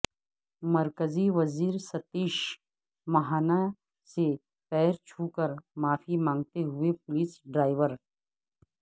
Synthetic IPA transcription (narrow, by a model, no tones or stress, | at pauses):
mɐɾkəziʋɐziːɾsɐt̪iːʃ | mɐɦaːna | se | pɛːɾt͡ʃʰuːkəɾmaːfimãːŋɡt̪eɦʊepʊliːsɖɾaːɪʋəɾ